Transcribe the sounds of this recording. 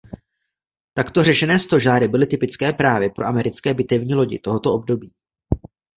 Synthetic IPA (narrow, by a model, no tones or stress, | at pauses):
t̪akt̪o̞rɛʃɛnɛːst̪o̞ʒaːɾɪbɪlɪt̪ɪpɪt͡skɛːpɾaːvɪpɾo̞ʔamɛɾɪt͡skɛːbɪt̪ɛvɲiːlo̞ɟɪ̰t̪o̞ɦo̞t̪o̞ob̚do̞biː